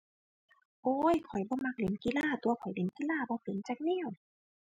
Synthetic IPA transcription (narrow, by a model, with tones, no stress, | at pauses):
ʔoː˧˦jkʰɔ˨˩jbɔː˧˦ma˧k̚le˨˩˦nki˧˨laː˧˥˩t̪u˧ɐkʰɔ˨˩jle˨˩˦nki˧˨laː˥˩˨bɔː˧˦pe˨˦nt͡ɕaː˧k̚ni˧˥˨w